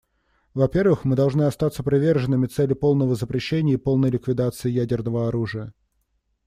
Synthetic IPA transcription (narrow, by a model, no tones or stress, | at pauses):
vɐpʲe̞rvɨxmɨd̪ɐlˠʐnɨɐst̪at̪səpɾʲɪvʲe̞rʐɨnːɨmʲɪt̪sɛlʲːɪpo̞lˠnəvəzəpɾʲɪɕːenʲɪjəipo̞lˠnəjlʲɪkvʲɪd̪at̪sɨɪjædʲɪrnəvəɐɾuʐɨjə